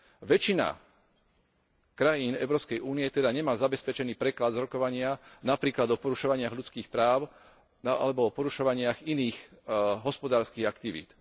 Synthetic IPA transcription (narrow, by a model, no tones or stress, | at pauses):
ʋɛt͡ʃina̰ | kɾajiːnɛ̰ʊɾɔːpskɛjuːnijɛt̪ɛd̪aɲɛmaːzabɛspɛt͡ʃɛniːpɾɛklad̪zɾɔkɔʋaɲɪanapɾiːklad̪ɔpɔɾuʃɔʋaɲɪaɣʎut͡skiːxpɾaːʊ | naʔa̰lɛbɔɔpɔɾuʃɔʋaɲɪaɣiniːxɦɔspɔd̪aːɾskiːɣakt̪iʋḭːt̪